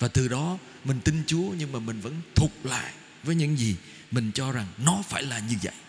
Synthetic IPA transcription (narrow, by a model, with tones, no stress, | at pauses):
vaː˨˩t̪ɨ˨˩ɗɔ˨˦ | mï˨˩ŋ̟t̪i˧nt͡ɕu˨˦əɲɨ˧ŋmaː˨˩mï˨˩ŋ̟və̰˧˥nt̪ʰu˨˩k͡p̚la̰ː˧˨jʔ | vəː˨˦jɲɨ̰˧˥ŋzi˨˩ | mï˨˩ŋ̟t͡ɕɔ˧za˨˩ŋnɔ˨˦faː˧˩jlaː˨˩ɲɨ˧və̰˧˨jʔ